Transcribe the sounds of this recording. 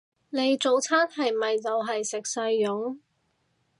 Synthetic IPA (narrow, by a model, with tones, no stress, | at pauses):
ne˨˧jt͡so˨wt͡sʰaː˥nhɐ˨jmɐ˨jt͡sɐ˨wɦɐ˨jsɪ˨k̚sɐ˧jːʊ˨˥ŋ